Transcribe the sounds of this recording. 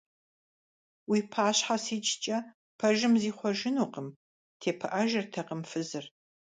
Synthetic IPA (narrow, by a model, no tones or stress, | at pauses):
wiːpʰaːɕħasiːt͡ʃʰʼt͡ʃʼɐ | pʰɐʒɪmziːχʷɔʒɪnuːqəm | tʰeːpʰɨʔɐʒɐrtʰɐqəmfɨzɨr